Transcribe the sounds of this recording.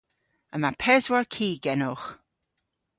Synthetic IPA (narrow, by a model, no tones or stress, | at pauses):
əmapʰɛzwaɹkʰiːɡɛnʊx